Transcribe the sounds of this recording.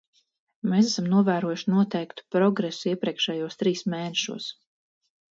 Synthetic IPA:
mesasamnuɔvæːɾuɔjuʃinuɔt̪ɛjkt̪u̥pɾɔɡɾesuiɛpɾʲiɛkʃɛːjuːst̪ɾiːsmeːnɛʃṵɔs

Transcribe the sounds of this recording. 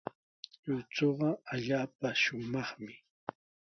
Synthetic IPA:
ʎʊt͡soɢɑaʎaːpaʃʊmɑχmɪ

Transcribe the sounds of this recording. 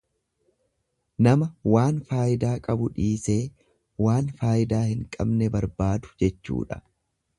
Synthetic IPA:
nɐmɐwaːnfaːjɪd̪aːkʼɐbʊᶑiːse̞ː | waːnfaːjɪd̪aːhɪŋkʼɐbnɛbɐɾbaːd̪ʊ̥d͡ʒɛt͡ʃːṵːᶑɐ̥

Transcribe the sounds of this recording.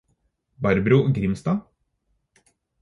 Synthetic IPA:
bɑɾbɾuɡɾɪmst̪ɑː

